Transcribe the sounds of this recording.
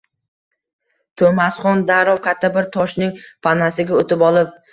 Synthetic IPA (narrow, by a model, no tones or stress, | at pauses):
t̪ʰɵmasχɒnd̪aɾɒwkʲʰat̪ʰːabɪɾt̪ʰɒʃnɪŋpʰanasɪɡʲaot̪ʰɪpɒlˠɪp̚